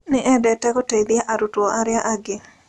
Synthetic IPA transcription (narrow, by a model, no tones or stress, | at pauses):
nɪʔɛdɛtɛkɔted̪jaʔaɾutɔaɾɪaʔaɡɪ